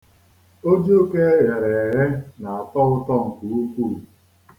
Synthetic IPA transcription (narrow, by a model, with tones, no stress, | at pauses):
o˦d͡ʒu˦ke˦ɦe˨ɾe˨e˨ɦe˦na˨a˨tɔ˦ʊ˦tɔ˦ŋ̩˨ku˨u˦ku˦˨